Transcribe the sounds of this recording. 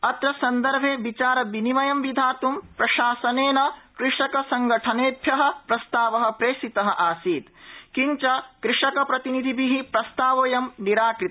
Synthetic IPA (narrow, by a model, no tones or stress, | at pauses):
ɐt̪ɾɐsɐnd̪ɐɾbʱeːʋit͡ʃaːɾɐʋinimɐjɐmʋid̪ʱaːt̪umpɾɐʃaːsɐneːnɐkɾɪʂɐkɐsɐŋɡɐʈʰɐneːbʱjɐɦɐ̆pɾɐst̪aːʋɐɦɐ̆pɾeːʃit̪ɐɦɐ̆ʔaːsiːt̪kiɲt͡ʃɐkɾɪʂɐkɐpɾɐt̪inid̪ʱibʱiɦipɾɐst̪aːʋoːjɐmniɾaːkɾit̪